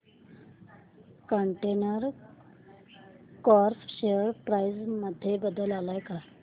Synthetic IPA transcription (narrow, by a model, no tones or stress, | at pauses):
kəɳʈenəɾ | kɔɾfɕejəɾpɾajd͡zməd̪ʱːjebəd̪əlalajka